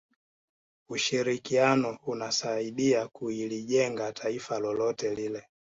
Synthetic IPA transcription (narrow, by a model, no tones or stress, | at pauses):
uʃiɾikianɔunasaiɗiakuiliʄɛŋɡatʰaifalɔlɔtɛlilɛ